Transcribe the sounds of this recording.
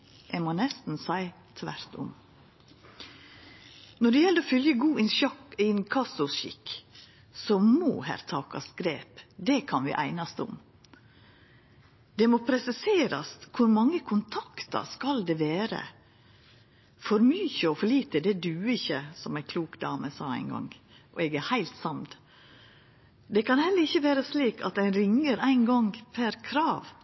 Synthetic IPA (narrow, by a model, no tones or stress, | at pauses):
ʔɛmoːnɛst̪n̩sæɪ | t̪ʰʋæ̰ɾt̪ʊ̰m | nɔɖɛjɛləɾofʏljəɡuːɪnʃɑkːɪnkʰɑsʊsʃɪ̰k | sɔmo̰ːhæ̰ɾt̪ʰɑːkɑ̰sɡɾeːpd̪ɛkʰɑnʋɪ̰ːʔæ̰ɪnɑst̪ʊ̰m | d̪̥ɛmoːpʰɾɛsɪseːɾɑskʰʊɾmɑŋːəkʰʊnt̪ʰɑkt̪ɑ̰skɑld̪ɛʋeːɾə̰ | fɔɾmyːçəɔfɔɭiːt̪əd̪ɛd̪ʉɪçəsɔmæɪkʰluːkd̪ɑːməsɑːæɪnɡɑ̰ŋ | ʔɔɛɡæhæɪlt̪sɑmd̪ | d̪ɛkʰɑnhɛlːəɾɪçːəʋæːɾəsliːkʰɑ̰t̪æɪnɾɪŋːəɾæɪnɡɔŋɡpʰæɾkʰɾɑːʋ